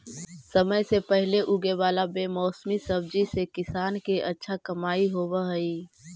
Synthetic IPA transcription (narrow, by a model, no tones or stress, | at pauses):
səməjsepəɦɪleʔʊɡeʋaːlabeːmɔːsmisɐb̚d͡ʒisekɪsaːnkeʔɐtːʃʰakɐmaːiɦoːʋəɦəiː